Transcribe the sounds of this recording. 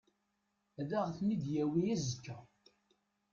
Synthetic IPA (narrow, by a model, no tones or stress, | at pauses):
ðæʁθnid̪jæwijæzəkːæ